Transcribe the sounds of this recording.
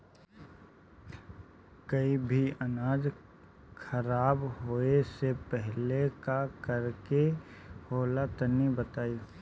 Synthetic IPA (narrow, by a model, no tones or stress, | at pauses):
kəibʱiənaːd͡ʒ | kʰəɾaːbɦoesepɛɦlekakəɾkehoːlat̪ənibət̪aːi